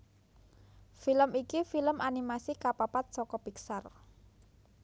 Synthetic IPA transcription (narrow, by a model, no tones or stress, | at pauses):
filəmikifiləmʔanimasikapapat̪̚sɔkɔpiksar